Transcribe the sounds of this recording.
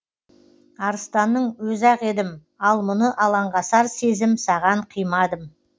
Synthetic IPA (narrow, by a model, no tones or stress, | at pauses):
ɑɾəst̪ɑnːəɴwɵzɑqe̞d̪ɪm | ɑlˠmʊnəʔɑlˠɑɴʁɑsɑɾse̞zɪmsɑʁɑɴqʰəjmɑd̪əm